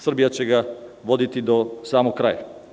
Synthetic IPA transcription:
sr̩bijat͡ɕeɡaʋod̪it̪id̪osaːmoɡkɾa̰ːja

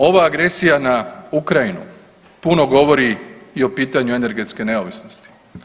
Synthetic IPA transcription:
o̞ʋaːɡɾe̞sijanaukɾajinṵ | puno̞ɡo̞ʋo̞ɾiio̞piːt̪aɲue̞ne̞ɾɡe̞t̪ske̞ne̞oʋisnost̪i̥

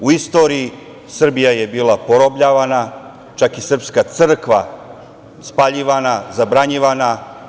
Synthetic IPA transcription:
uist̪o̞ːɾiː | sr̩bijajebiːlˠapoɾobʎaːʋana | t͡ʃakisr̩pskat̪sɨr̩kʋa | spaʎiʋanazabɾaɲiʋana

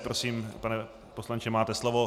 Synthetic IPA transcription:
pɾosiːmpanɛ | poslaɲt͡ʃɪmaːt̪ɛslovo

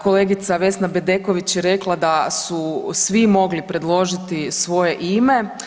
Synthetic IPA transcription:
ko̞leɡit̪saʋe̞snabed̪e̞ko̞ʋit͡ɕjeɾe̞klˠad̪asusʋimo̞ɡlipɾe̞d̪lˠo̞ʒit̪isʋo̞je̞ʔime̞

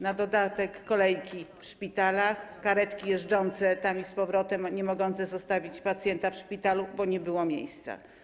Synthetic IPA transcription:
nad̪ɔd̪at̪ɛkːɔlɛjkʲifʂpʲit̪alaxkaɾɛt͡ʂkʲijɛʐd͡ʐɔnt̪sɛt̪amispɔvɾɔt̪ɛmɲɛmɔɡɔnt̪sɛzɔst̪avʲit͡ɕpat̪sʲjɛnt̪afʂpʲit̪alubɔɲɛbɘwɔmʲjḛjst̪sa̰

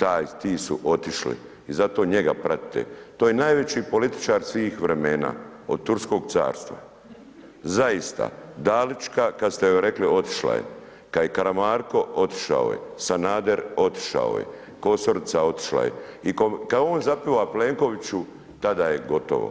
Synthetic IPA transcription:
t̪aːjt̪iːsuʔo̞t̪iʃlḭ | izat̪o̞ːɲe̞ɡa̰pɾʔat̪i̥t̪ḛt̪oːjenajʋe̞t͡ɕipo̞lit̪i̥t͡ʃaːɾsʋiːxʋɾe̞meːna̰ː | o̞̰d̪̚t̪uɾsko̞ːɡt̪sa̰ːɾst̪ʋa̰ | zaist̪a̰d̪aːlit͡ʃkakad̪st̪eoɾe̞klio̞t̪i̥ʃla̰jḛ | kajekaɾamaːɾko̞ʔo̞t̪i̥ʃa̰o̰jḛsanaːd̪eɾo̞t̪i̥ʃa̰o̰jḛ | ko̞soɾit̪sao̞t̪i̥ʃla̰jḛikokaoːnzapiʋapleːŋko̞ʋit͡ɕu | t̪ad̪ajeɡo̞t̪o̰ʋo̰

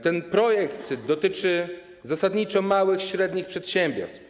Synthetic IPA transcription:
t̪ɛnpɾɔjɛkt̪d̪ɔt̪ɘt͡ʂɘ | zasad̪ɲit͡ʂɔmawɘxɕɾɛd̪ɲixpʂɛt̪ɕɛmbʲjɔ̰ɾst̪f

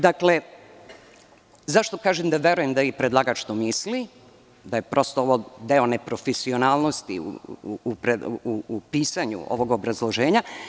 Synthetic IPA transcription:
d̪akle̞ | zaʃt̪o̞kaːʒemd̪aʋje̞ɾuje̞md̪aipɾed̪laɡat͡ʃt̪omisli | d̪ajepɾʔo̞st̪ooʋod̪e̞o̞ne̞pɾo̞fesio̞naːlˠnost̪ḭṵːpɾeuupiːsaɲṵo̰ʋo̞ɡobɾazlˠoʒe̞ːɲa

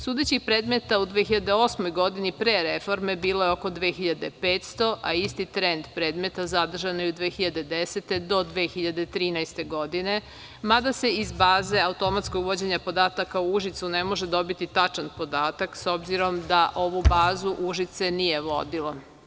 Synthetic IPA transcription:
suːd̪et͡ɕixpɾeːd̪me̞t̪aud̪ʋexiʎad̪e̞o̞ːsmo̞jɡo̞d̪inipɾeːɾefo̞ɾme̞biːlojeoko̞d̪ʋeːxiʎad̪e̞peːt̪st̪o̞ʔaist̪it̪ɾe̞nd̪pɾeːd̪me̞t̪azad̪r̩ʒanojeud̪ʋeːxiʎad̪e̞d̪eset̪e̞d̪o̞d̪ʋeːxiʎad̪e̞t̪ɾiːnajst̪e̞ɡo̞d̪ine̞ | mad̪ase̞izbaːze̞aut̪o̞mat̪sko̞ɡʋo̞d͡ʑeɲapo̞d̪aːt̪akauuʒit̪sunemo̞ʒed̪o̞bit̪it̪at͡ʃanpo̞d̪aːt̪akso̞bziɾo̞md̪aʔo̞ʋubaːzuʔuʒit̪se̞nije̞ʋo̞̰d̪ilo

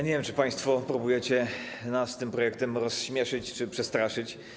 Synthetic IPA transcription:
ɲevʲjɛmt͡ʂɘpaj̃st̪fɔpɾubujɛt͡ɕɛnast̪ɘmpɾɔjɛk̚t̪ɛmɾɔsɕmʲjɛʂɘt͡ɕt͡ʂɘpʂɛst̪ɾaʂɘt͡ɕ

